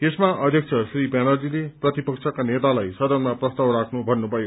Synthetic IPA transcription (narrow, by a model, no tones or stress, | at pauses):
esmaʔʌd̪ʱjʌk̚t͡sʰʌsribanʌrd͡zileprʌt̪ipʌksʰʌkanet̪alajsʌd̪ʌnmaprʌst̪awɾakʰnubʱʌnːubʱʌjo